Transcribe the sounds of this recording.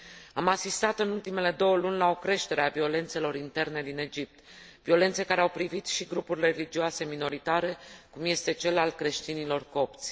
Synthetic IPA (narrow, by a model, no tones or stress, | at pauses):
amasist̪at̪ɨnult̪ime̞le̞d̪o̞wəlunʲlao̞kɾe̞ʃt̪e̞ɾe̞avio̞le̞nt̪se̞lo̞ɾint̪e̞rne̞d̪ine̞d͡ʒip̚t̪vio̞le̞nt̪se̞kaɾeawpɾivit̪ʃiɡɾupurʲre̞lid͡ʒiase̞mino̞ɾit̪aɾe̞kumje̞st̪e̞t͡ʃe̞lalkɾe̞ʃt̪inilo̞rko̞p̚t̪sʲ